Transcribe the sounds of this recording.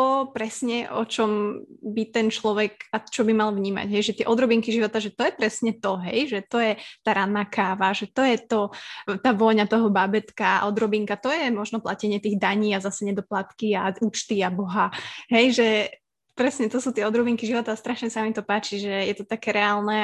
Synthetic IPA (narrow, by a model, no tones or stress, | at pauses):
t̪ɔpɾɛsɲɛʔɔ̰t͡ʃɔmbit̪ɛnt͡ʃlɔʋɛɡat͡ʃɔbimalvɲiːma̰ɟɦɛjʒɛt̪ɪɛʔɔd̪ɾɔbiŋkiʒiʋɔt̪aʒɛt̪ɔjɛpɾɛsɲɛt̪ɔɦɛjʒɛt̪ɔjɛt̪aːɾanːaːkʰaːʋaʒɛt̪ɔjɛt̪ɔt̪aːʋɔɲat̪ɔɦɔbabɛt̪ka̰ʔɔd̪ɾɔbiŋkat̪ɔjɛmɔʒnɔplacɛɲɪɛt̪iːɣd̪aɲiːazasɛɲɛd̪ɔplat̪kiauːt͡ʃt̪iabɔɦaɦɛjʒɛ | pɾɛsɲɛt̪ɔsuːt̪ɪɛɔd̪ɾɔbiŋkiʒiʋɔt̪aːst̪ɾaʃɲɛsamit̪ɔpaːt͡ʃiʒɛjɛt̪ɔt̪akɛːɾɛaːlnɛ